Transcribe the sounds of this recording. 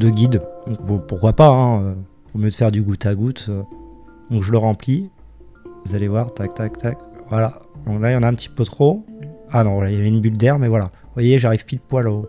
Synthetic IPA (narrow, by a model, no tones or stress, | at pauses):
d̪əɡʲid̪d̪ɔ̃kupuʁkwapaɛ̃ø | umjød̪əfɛʁd̪yɡut̪aɡut̪ø | d̪̥ɔ̃kʒələʁɑ̃pli | vuzalevwaʁt̪ak̚t̪akt̪akvwalad̪ɔ̃klajɑ̃naɛ̃pət̪i̥pøt̪χoanɔ̃vwalajavɛynbyld̪ɛʁmɛvwalavwajeʒaʁivpiləpwalo